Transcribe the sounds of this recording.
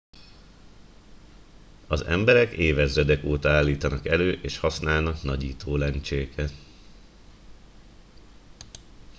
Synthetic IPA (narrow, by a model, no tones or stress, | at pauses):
ɒzɛ̰mbɛɾɛkeːvɛzɛd̪ɛkoːt̪ɒaːlːiːt̪ɒnɒkɛløːʔeːʃhɒsnaːlnɒknɒɟḭːt̪ʰoːlɛnt͡ʃeːkʰɛt̪